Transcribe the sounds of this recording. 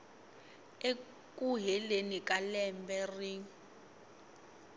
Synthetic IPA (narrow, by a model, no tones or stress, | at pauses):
e | kʼuɦɛlenikʼalɛmbɛri